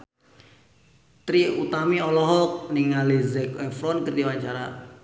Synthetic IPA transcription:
t̪ɾiut̪amiɔlɔɦɔk̚niŋalezɛkɛfɾɔnkərd̪iwaɲt͡ʃaɾa

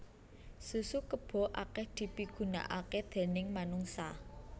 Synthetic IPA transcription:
susukəb̥ɔ̤ʔakɛhd̪̥i̤piɡ̥ṳna̰ʔaked̪̥e̤nɪŋmanuŋsa

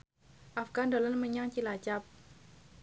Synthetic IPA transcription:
ʔafɡandolənməɲaŋt͡ʃilat͡ʃap̚

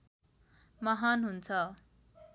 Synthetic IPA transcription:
mʌɦanɦunt͡sʰʌ

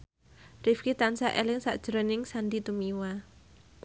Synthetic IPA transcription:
rɪfkit̪ansaʔelɪŋsa̰ʔd̥ʒ̥ɾənɪŋsandit̪umiwa

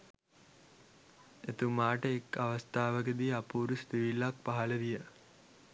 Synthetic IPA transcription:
et̪umaːʈəekaʋɐst̪aːʋəkəd̪iapuːɾust̪iʋilːak̚paɦɐləd̪ijə

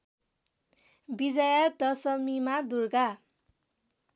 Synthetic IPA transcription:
bid͡zajat̪ʌsʌmimad̪urɡa

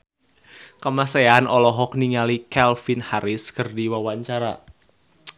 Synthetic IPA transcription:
kəmaseanɔlɔɦɔk̚niŋalikɛlfinhaɾɪskərdiwawaɲt͡ʃaɾa̰

